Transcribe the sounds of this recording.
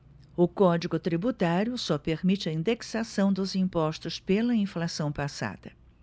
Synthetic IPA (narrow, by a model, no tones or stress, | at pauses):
ʊkɔd͡ʒiɡʊt̪ɾibut̪aɾjʊsɔpeɾmit͡ʃɪɐĩnd̪eksasɐ̃w̃d̪ʊzĩpɔst̪ʊspelɐĩflasɐ̃w̃pasa̰d̪̥ɐ